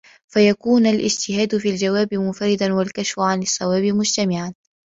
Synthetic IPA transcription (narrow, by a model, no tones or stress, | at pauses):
fajakuːnalʔɪ̰d͡ʒt̪ɪhaːd̪fiːld͡ʒawaːbɪmʊnfaɾɪd̪anwalkaʃfʊʕanɑsˤːɑwaːbɪmʊd͡ʒt̪amɪʕan